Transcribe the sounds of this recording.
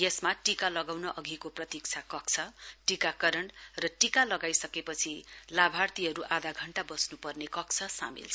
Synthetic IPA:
jesmaʈikalʌɡawnʌʔʌɡʱikoprʌt̪ik̚t͡sʰakʌk̚t͡sʰʌʈikakʌɾʌɳrʌʈikalʌɡajsʌkepʌt͡sʰilabʱart̪iɦʌɾuʔad̪aɡʱʌɳʈabʌsnupʌrnekʌkt͡sʰʌsa̰mḭlt͡sʰ

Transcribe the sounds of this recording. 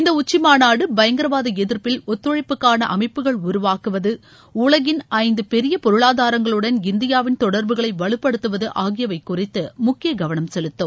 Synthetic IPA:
ɪnd̪ɐʊt͡ʃːɪmaːnaːɽɯbɐjɐŋɡɐɾɐʋaːðɯɛðɪɾpɪlɔt̪ːɔɻɐɪpːɯkːaːnɐ̰ʔɐmɐɪpːɯɣɐɭʊɾʊʋaːkɯʋɐðɯ | ʊɭɐɣɪnʔɐɪnd̪ɯpɛɾɪjɐpɔɾɯɭaːðaːɾɐŋɡɐɭɯɽɐnɪnd̪ɪjaːʋɪnt̪ɔɽɐɾbɯɣɐɭɐɪʋɐɭɯpːɐɽɯt̪ːɯʋɐðɯʔaːɣɪjɐʋɐɪkːʊrɪt̪ːɯmʊkːɪjɐɡɐʋɐnɐmsɛlɯt̪ːom

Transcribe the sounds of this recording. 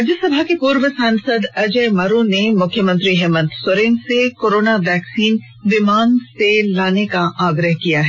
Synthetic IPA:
d͡ʒəsɐbʱakepuːɾʋəsãːnsəd̪ɐd͡ʒəjmaɾõnemʊkʰːjəmə̃nt̪ɾiɦɛːmə̃nt̪sʊɾẽːnsekoːɾoːnaʋɛːksiːn | ʋɪmaːnselaːnekaʔaːɡɾəɦkijaɦɛː

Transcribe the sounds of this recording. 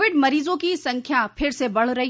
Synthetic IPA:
ʋɪɖmɐɾiːzõkisɐ̃ŋkʰjapʰɪɾsebɐɽ̤ɾɐɦi

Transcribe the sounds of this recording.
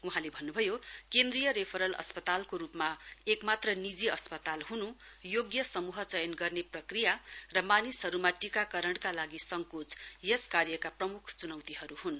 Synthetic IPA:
uɦãlebʱʌnːubʱʌjokend̪rijʌɾepʰʌɾʌlʌ̰spʌt̪alkoɾupmaekmat̪rʌnid͡ziʌspʌt̪alɦunu | joɡjʌsʌmuɦʌt͡sʌjʌnɡʌrneprʌkrijarʌmanisɦʌɾumaʈikakʌɾʌɳɽkalaɡisʌŋkut͡sjʌskarjʌkaprʌmukʰt͡sunʌwt̪iɦʌɾuhun

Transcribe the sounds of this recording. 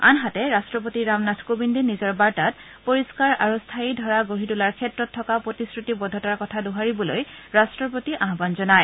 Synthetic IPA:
a̰nɦatɛɹastɹɔp̬otiɹamnatʰkobindenizɔɹbaɹtat̚ | poɹiskaɹaɹustʰaidʱɔɹaɡoɦitulaɹkʰɛtɹɔtʰːɔkapɹotiskɹutibɔdʱɔtaɹkɔtʰaduɦaɹibɔlojɹastɹɔp̬otiʔaɦbanzɔnaj

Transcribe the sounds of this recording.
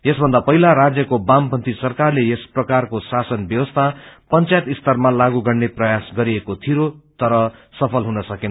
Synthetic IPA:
jesbʱʌnd̪apʌɦilaɾad͡zjʌkobampʌnt̪ʰisʌrkarlejesprʌkarkosasʌnbjʌwʌst̪ʰapʌnt͡sajet̪ist̪ʌrmalaɡuɡʌrneprʌjasɡʌɾiekot̪ʰiɾot̪ʌɾʌsʌpʰʌlɦunʌsʌkin

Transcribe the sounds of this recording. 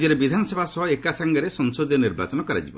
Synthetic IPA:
d͡ʒiɾebid̪ʱanɔsɔbʱasɔɦɔekasaŋɡɔɾesɔŋsod̪jɔniɾba̰t͡ʃɔnɔkɔɾa̰d͡ʒibɔ

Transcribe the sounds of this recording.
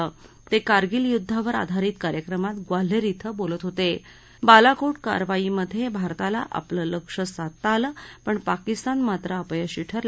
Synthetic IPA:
ə | t̪ekaɾɡiːljud̪ʱːaʋəɾa̰d̪ʱaɾiːt̪kaɾjəkɾəmat̪ɡwal̤eɾit̪ʰəbolət̪ɦot̪e | balakoʈka̰ɾʋaiːməd̪ʱːjebʱaɾt̪ala̰ʔa̰plələkʂəsat̪ːaləpəɳpakist̪anmat̪ɾəːpəjəɕiʈʰəɾl

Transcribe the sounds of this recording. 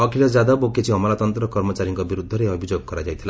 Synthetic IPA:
ɔkʰilɔd͡ʒad̪ɔboket͡ʃʰiɔmɔlat̪ɔnt̪ɾɔkɔɾmɔt͡ʃaɾiŋkɔbiɾud̪ʱːɔɾeɔbʱid͡ʒoɡ̚kɔɾad͡ʒajt̪ʰila

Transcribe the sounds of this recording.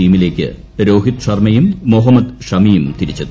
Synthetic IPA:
iːmile̞ːkʲːɨ̰ | ɾo̞ːɦit̪ʂɐrmɐjumːoɦɐmːɐd̪ʂɐmijumt̪iɾit͡ɕːɐð

